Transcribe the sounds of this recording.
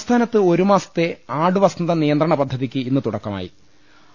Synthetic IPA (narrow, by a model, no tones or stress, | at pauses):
st̪ʰaːnɐt̪ːɨo̞ɾumaːsɐ̥t̪ːe̞aːɽɨʋɐsɐnɐd̪ɐnijɐnd̪rɐɳɐpɐd̪ʱːɐðikʲːɨinːɨt̪uɽɐkːɐma̰ːjḭ